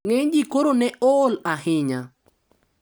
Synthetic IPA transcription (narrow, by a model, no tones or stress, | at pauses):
ŋeɲd͡ʒikoɾonɛʔɔlahɪɲa